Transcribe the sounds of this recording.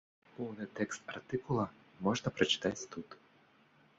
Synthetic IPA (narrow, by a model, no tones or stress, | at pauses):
pɔnɛt̪ɛkst̪a̰ɾt̪ikulˠa | mɔʒd̪apɾɛt͡ʃi̥t̪ajst̪ut̪